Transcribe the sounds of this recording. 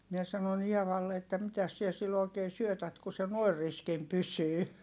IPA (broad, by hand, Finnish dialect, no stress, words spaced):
mie sɑnon ieʋɑlːe etːæ mitæs siɛ silː oˑi̯keː syøtæt ku se noˑi̯r riskim pysyː